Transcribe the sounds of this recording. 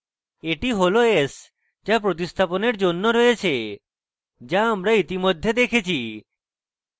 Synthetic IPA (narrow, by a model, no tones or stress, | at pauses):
eʈiɦoloes | d͡ʑap̬ɾot̪̬ist̪ʰaponeɾd͡ʑonːoɾɔet͡ɕʰe | d͡ʑaamɾait̪imod̪ʱːed̪ekʰet͡ɕʰi